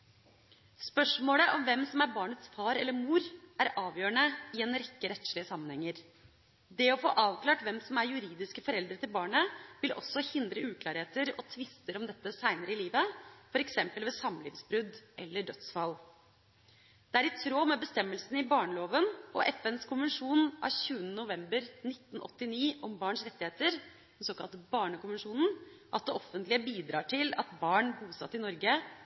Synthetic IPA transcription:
spœʂmoːləʔɔmʋɛmsɔmæɾbɑːɳət̪sfɑːɾɛlːəɾmuːɾʔæɾɑːʋjøːɳəɪɛnɾɛkːəɾɛt̪ʃɭɪəsɑmːənhɛŋːəɾ | d̪ɛɔfo̰ːʔɑːʋklɑːʈʋɛmsɔmæɾjʉɾiːd̪ɪskəfɔɾɛld̪ɾət̪ɪlbɑːɳəʋɪlʔɔ̰sːɔhɪnd̪ɾəʉːkʰlɑːɾheːt̪əɾɔt̪ʰʋɪst̪əɾɔmd̪ɛt̪ːəsæɪnəɾəɪliːʋəfɔɾɛksɛmpəlʋeːsɑmlḭːʋsbɾʉd̪ʔɛ̰lːəɖœt̪sfɑl | d̪̥ɛæɾɪt̪ʰɾoːmɛbəst̪ɛmːəlsn̩ɪbɑːɳəloːʋənʔɔʔɛfɛnskʊnʋənʂuːnʔɑ̰çʉːənənʊʋɛmbəɾnɪt̪ːnʔɔ̰t̪ːɪniːʔɔmbɑːɳʂɾɛt̪ːɪheːt̪əɾ | soːkɑ̰lt̪bɑːɳəkʊnʋənʂuːnn̩ʔɑt̪̚d̪ɛʔɔfːənt̪lɪəbiːd̪ɾɑːʈʰɪlɑ̰t̪bɑːɳbuːsɑ̰t̪ːɪnɔɾɡə

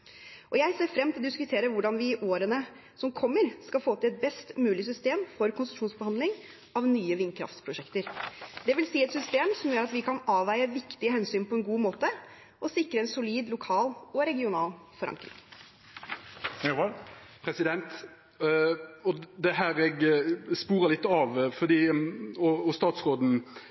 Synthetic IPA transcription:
ʔɔjæɪseːɾfɾɛmːt̪ɪlɔd̪ɪskʉt̪ʰeːɾəʋʊɖɑnʋɪʔoːɾənə | sɔmkʰɔmːəɾskɑlfoːt̪ɪlɛt̪̚bɛst̪mʉːlɪs̬ʏst̪eːmfɔɾkʰʊnsʂuːnsbəhɑnd̪lɪŋ | ɑʋnyːəʋɪnkʰɾɑ̰ft̪pʰɾʊʂɛkt̪əɾd̪ɛʋɪlsiːɛt̪sʏst̪eːmsɔmjøːɾɑt̪ʋɪkʰɑnɑːʋæɪəʋɪkt̪ɪəɦɛnsyːnpʰɔɛnɡuːmoːt̪ə | ʔɔsɪkɾəɛnsʊliːd̪lʊkʰɑːlɔɾɛɡɪʊnɑːlfɔɾɑ̰ŋkɾɪ̰ŋ | pʰɾɛsɪd̪ɛnt̪ | ɔd̪ɛɦæːɾɛɡspuːʁəlɪt̪ːɑʋfɔʁd̪iːɔɔst̪ɑːt̪sʁoːd̪n̩

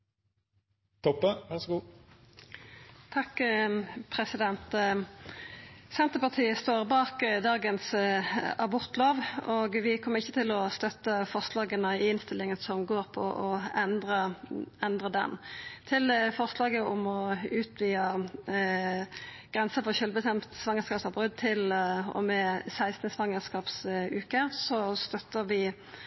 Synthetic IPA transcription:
t̪ʰɔpːəʋæʁsɡuː | t̪ʰɑkː | pʰʁɛsɪd̪ɛnt̪ | sɛnt̪əpɑʁt̪ʰiːəst̪oːʁbɑːkd̪ɑːɡəns | ɑbʊʁt̪loːʋoːɡʋɪkʰɔmːəʁɪçːət̪ʰɪlɔst̪œt̪ːəfɔʁslɑːɡənəɪnst̪ɪlɪŋənsɔmɡoːʁpʰɔʔɔɛnd̪ʁəɛnd̪ʁəd̪ɛ̰nt̪ʰɪlfɔʁslɑːɡəʊmɔʉːt̪ʋiːɑ | ɡ̥ʁɛnsəfɔʁɕœlbəst̪ɛmt̪sʋɑŋːəskɑːpsɑbʁʉd̪̚t̪ʰɪlɔ̰mɛsæɪst̪nəsʋɑŋəskɑːpsʉːkəsɔst̪œt̪ːəʁʋɪ

